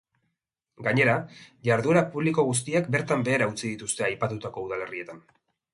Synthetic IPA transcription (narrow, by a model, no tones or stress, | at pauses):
ɡaɲe̞ɾaʝaɾðue̞ɾapuβliko̞ɣus̬t̪iak̚be̞ɾt̪ambe̞ːɾaut͡siðit̪ust̪e̞ajpat̪ut̪ako̞uð̞ale̞rie̞t̪an